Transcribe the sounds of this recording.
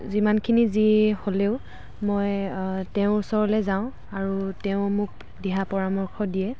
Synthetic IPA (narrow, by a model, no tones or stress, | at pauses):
zimankʰiniziholeʊ | mojteʊ̃sɔɹɔlɛzaʊ̃ | aɹutɛʊ̃muk̚ | dɛɦapɔɹamɔɹkʰɔdijɛ